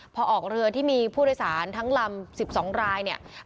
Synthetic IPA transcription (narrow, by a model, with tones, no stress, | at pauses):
pʰɔː˧ʔɔː˨˩k̚ɾɯ˧ɐt̪ʰiː˥˩miː˧pʰuː˥˩ɾo˧jsaː˩˦nt̪ʰa˦˥ŋla˧msi˨˩p̚sɔː˩˦ŋɾaː˧jni˥˩ɐ